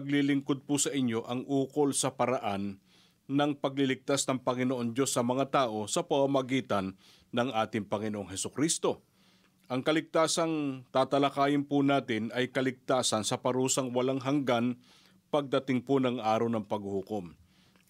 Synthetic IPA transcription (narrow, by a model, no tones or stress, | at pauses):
ɡ̚lilɪŋkod̪̚pʊsɐʔɪɲjo̞ʔɐŋʔuːko̞lsɐpɐɾɐʔanː | ɐŋpɐɡ̚lɪlɪk̚t̪asnɐŋpɐŋɪnoʔo̞nd̪jo̞sːɐmɐŋat̪aːʔo̞sɐpɐmamɐɡiːt̪ɐnː | ɐŋʔaːt̪ɪŋpɐŋɪnoʔoŋɦɛsʊkɾist̪o̞ | ʔɐŋkɐlɪk̚t̪aːsɐŋt̪aːt̪ɐlɐkaːjɪnpʊnaːt̪ɪnʔɐjkɐlɪk̚t̪aːsɐnsɐpɐɾuːsɐŋwɐlaŋɦɐŋɡan | pɐɡ̚d̪ɐt̪ɪŋpʊnɐŋʔaːɾɐwnɐŋpɐɡ̚hukom